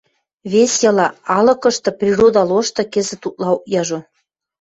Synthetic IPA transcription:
βesʲjɤ̆lɑɑlɤ̆kɤ̆ʃt̪ɤ̆prʲirod̪ɑloʃt̪ɤ̆kezĕt̪ut̪̚lɑukjɑʒo

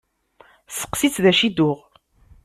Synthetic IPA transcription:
sə̥qsit͡sðæʃid̪ʊʁ

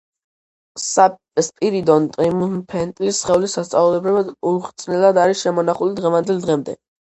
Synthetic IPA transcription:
a | spʼiɾid̪ɔnt̪ʼɾimunpʰɛnt̪ʼlisχɛulisast̪sʼaulɛbɾɛbad̪uɾχt̪sʼnɛlˠad̪aɾisʃɛmɔnaχulid̪ʁɛvand̪ɛlˠd̪ʁɛmd̪ɛ̰

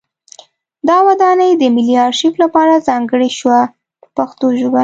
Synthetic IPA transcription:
d̪ɑwad̪ɑnəjd̪əmɪliɑɾʃiflapɑɾazɑŋɡəɽiʃwa | pəpaxt̪oʒoba

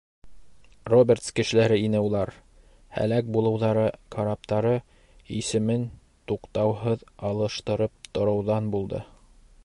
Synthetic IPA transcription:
robʲert̪skɘ̆ʃɘ̆læɾɘinɘulˠɑɾ | hæ̰læk̚bulˠɤ̆wðɑɾɤkʰaɾap̚t̪ɑɾɤ | ḭsɘ̆mɘn | t̪uqt̪ɑwɦɤðɑlˠɤ̆ʃt̪ɤ̆ɾɤp̚t̪ŏɾɤ̆wðɑnbulˠd̪ɤ̰

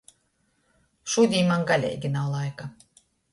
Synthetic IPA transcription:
ʃud̪ʲijmɑŋɡɑlʲḛjɡɘnɑlˠɑjkɑ

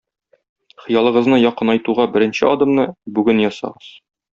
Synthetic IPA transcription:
χɤ̆jɑlˠɤ̆ʁɤ̆znɤjɒqɤnɒjt̪uʁɑbɘ̆ɾɘ̆nɕɘɒd̪ŏmnɤbʉɡɘnjɒsɑ̰ʁɤz̥

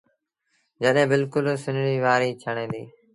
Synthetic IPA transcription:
d͡ʑɐɗɦẽːbɪlkʊlsɪnɾiːʋaːɾiːt͡ɕʰɐɽ̃ẽːd̪ḭː

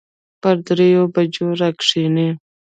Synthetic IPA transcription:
pəɾd̪ɾejobad͡ʒoɾakʂine

